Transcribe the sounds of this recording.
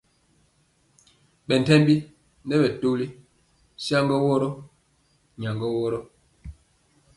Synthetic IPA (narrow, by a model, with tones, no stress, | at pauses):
ɓɛ˨n˨tɛ˦mbi˦ | n˦dɛ˦ɓɛ˨to˦li˦ | sja˦ŋɡɔ˦wɔ˦ɾɔ˦ | ɲa˨ŋɡɔ˦wɔ˦ɾɔ˦